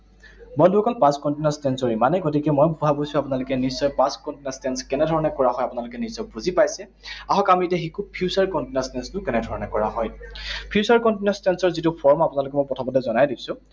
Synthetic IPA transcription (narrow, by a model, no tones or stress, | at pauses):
bɔndkɔnpaskɔntinastɛnsɔɹimanɛɡɔtikɛmɔjbʱuɦabosʊapʊnalʊkɛnisɔjpãskɔntinastɛnskɛnɛdʱɔɹɔnɛkɔɹaɦɔjapʊnalʊkɛniszɔjbuzipajsɛ | aɦɔkamitɛxikʰupʰijusaɹkɔntinastɛnstʊkɛnɛdʱɔɹɔnɛkɔɹaɦɔjpʰiusaɹkɔntinastɛnsɔɹzitʊpʰɔɹmapʊnalʊk̬ɛmɔjpɹɔtʰɔmɔdɛzɔnajdibsʊ̃